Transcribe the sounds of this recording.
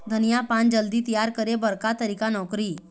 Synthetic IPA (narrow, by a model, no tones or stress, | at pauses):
d̪ʱənijapand͡ʑəld̪iːt̪ijaɾkəɾebəɾkat̪əɾikanɔkɾiː